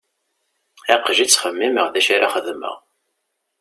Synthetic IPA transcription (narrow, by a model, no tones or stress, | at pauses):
ɪqːʒit͡sːχəmːiməʁðæʃaɾaχəðmə̰ʁ